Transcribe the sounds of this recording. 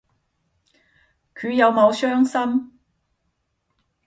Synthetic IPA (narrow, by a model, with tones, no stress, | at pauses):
kʰyː˨˧jɐ˨˧wmo˨˧wsœː˥ŋsɐ˥m